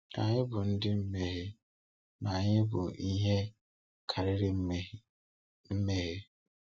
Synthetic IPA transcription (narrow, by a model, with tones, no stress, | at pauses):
a̰˨ɲɪ˦bʊ˨n̩˦dɪ˦m̩˦me˨ɦe˦ | na˨a˨ɲɪ˦bʊ˨i˦ɦe˦ | kʰa˨ɾɪ˦ɾɪ˦ | m̩˦me˦ɦe˦